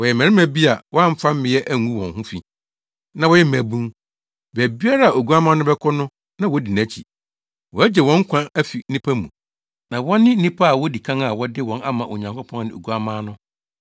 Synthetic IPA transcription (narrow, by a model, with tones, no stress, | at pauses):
wɔ˨jɛ˨mɛ̃˨ɾɪ˦mæ̃˨bi˦a˨wɔ˦a˦m̩˦fa˦m̩˦mɪ̃˨˦jɛ˦ʔæ˦ŋũ˦wɔ̃˨nɦʊ̃˦fi˨ | nã˨wɔ˦jɛ˦m˨æ˨bũ˦m | bæ˨bi˦a˦ɾa˦a˨o˨ɡu˦a˦mãː˦nʊ̃˦bɛ˦kʰɔ˦nʊ̃˦ | nã˦wɔ˦di˨næ̃˨˦t͡ɕʰḭ˨ | wɔ˨æ˦d͡ʑɛ˨wɔ̃˦ŋ̩˦kʷʰã˦æ˦fi˨˦nĩ˦pʰæ˦mũ˨ | nã˨wɔ̃˦nːɪ̃˦n̩˦nĩ˦pʰa˦a˨wɔ˦di˨kʰã˦ŋa˨wɔ˦dɪ˦wɔ̃˨na˦mã˨ʔo˨ɲã˨ŋkɔ˦pʰɔ̃˦ŋ˦nɪ̃˨o̰˨ɡu˨˦a˨mãː˦nʊ̃˦